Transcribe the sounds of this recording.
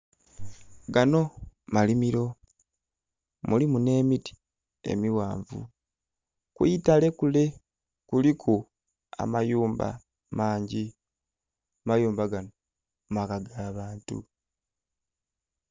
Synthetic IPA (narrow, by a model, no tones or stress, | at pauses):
ɡano̞malimiɾo̞ | mulimune̞ːmiti̥ | e̞̰miwa̰ːɱvṵ | kwiitale̞kule̞ | kulikʰu | a̰majuːmba̰ | maːɲɟi | majuːmbaɡano | makaɡaːβaːntṵ